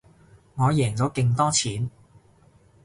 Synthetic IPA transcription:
ŋɔː˨˧jɛː˨˩ŋt͡sɔː˨˥ke˧ŋt̪ɔː˥t͡sʰiː˨˥n

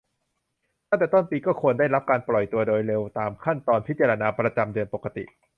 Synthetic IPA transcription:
t̪a˥˩ŋt̪ɛː˨˩t̪o˥˩npiː˧kɔː˥˩kʰu˧ənda˥˩jɾa˦˥p̚kaː˧nplɔ˨˩jt̪u˧ɐdoː˧jɾe˧wt̪aː˧mkʰa˥˩nt̪ɔː˧npʰi˦˥t̚t͡ɕaː˧ɾa˧naː˧pɾa˧t͡ɕa˧mdɯ˧ənpo˨˩ka˧t̪ḭ˨˩ʔ

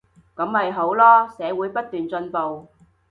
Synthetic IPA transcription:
kɐ˨˥mhɐ˨jɦo˨˥wlɔː˥sɛː˨˧wuː˨˥jpɐ˥t̚t̪yː˨nt͡sɵ˧npo˨w

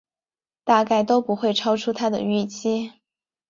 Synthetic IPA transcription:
t̪a˥˧ka˥˩ɪt̪o˥ʊpu˧˥xwe˥˩ɪʈ͡ʂʰɑ˥ʊʈ͡ʂʰu˥t̪ʰa˥d̪ə̰˨y˥˩t͡ɕi˥

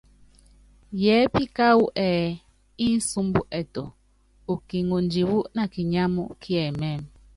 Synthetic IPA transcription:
jɛː˨˦pi˦ka˦u˦ʔɛː˨ | i˦su˦mbu˦ʔɛ˨tɔ˨ | u˨ki˨ŋu˨nd͡ʒi˨wu˦ʔna˨ki˨ɲa˦mṵ˦kʰi˦ɛ˨mɛ˦˨m

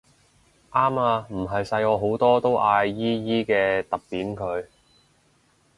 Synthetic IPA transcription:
ʔaː˥maː˧m̩˨˩ɦɐ˨jsɐ˧jɔː˨˧ɦo˨˥wt̪ɔː˥t̪o˥wʔaː˧jːiː˥jiː˥kɛː˧t̪ɐ˨p̚piː˨˥nkʰɵ˨˧ɥ

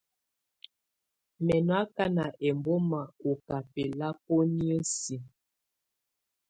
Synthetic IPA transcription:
mɛ˨nwa˦ka˦na˨ʔɛ˨mbo˦ma˨o˨ka˨pɛ˨la˦po˦ni˦ə˦si˨

